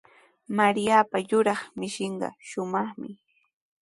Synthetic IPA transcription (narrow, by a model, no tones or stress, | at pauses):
maɾijapajʊɾɑχmɪʃɪɴɢɑ̰ʃʊmɑχmɪ